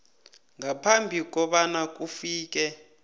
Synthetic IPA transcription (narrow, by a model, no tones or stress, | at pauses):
ŋɡapʰambʱik̬ʼɔɓanak̬ʼufiːk̬ʼɛ